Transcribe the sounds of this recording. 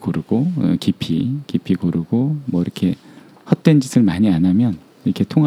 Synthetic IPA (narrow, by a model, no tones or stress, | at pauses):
koɾuɡ̥o̰kipʰikipʰikoɾuɡomwʌiɾʌkʰe̞ | hʌt̚t͈we̞nd͡ʑisʰɯɭmaɲianamjʌn | iɾʌkʰe̞tʰoŋɦ